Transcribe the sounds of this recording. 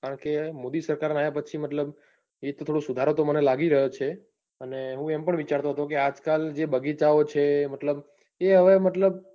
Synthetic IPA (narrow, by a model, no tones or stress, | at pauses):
kaɾəɳkemod̪isəɾkaɾnajapət͡ʃʰimət̪ləb | et̪ot̪ʰoɽũsud̪ʱaɾot̪omənelaɡiɾəɦjot͡ʃʰe | əneɦũempəɳʋit͡ʃaɾt̪oɦət̪okead͡ʒkald͡ʒebəɡit͡ʃaot͡ʃʰemət̪ləb | eɦəʋemət̪ləb